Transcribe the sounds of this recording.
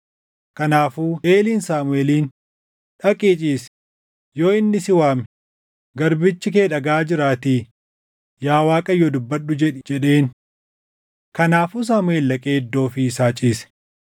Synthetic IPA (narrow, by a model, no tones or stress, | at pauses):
kɐnaːfuːeːliːnsaːmʊeːliːn | ᶑɐkʼiːt͡ʃʼiːs | jo̞ːɪnːɪsɪwaːmɛ | ɡɐɾbɪt͡ʃːɪke̞ːᶑɐɡaːd͡ʒɪɾaːt̪iː | jaːwaːkʼɐjːod̪ʊbːɐɗːʊd͡ʒɛᶑɪd͡ʒɛɗe̞ːn | kɐnaːfus̬aːmʊe̞ːlːɐkʼeːd̪ːo̞ːfisaːt͡ʃʼiːsɛ̥